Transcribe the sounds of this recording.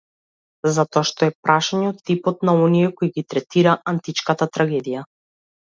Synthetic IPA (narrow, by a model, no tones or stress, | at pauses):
zat̪ɔaʃt̪ɔɛpɾʔaʃaɲɛot̪ːipɔt̪naɔniɛkɔiɡit̪ɾɛt̪iɾaʔant̪it͡ʃkat̪at̪ɾaɡɛd̪ija